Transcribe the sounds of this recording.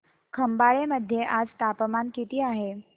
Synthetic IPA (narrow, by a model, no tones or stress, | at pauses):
kʰəmbaɭeməd̪ʱjeʔad͡zt̪apəmankit̪iːaɦe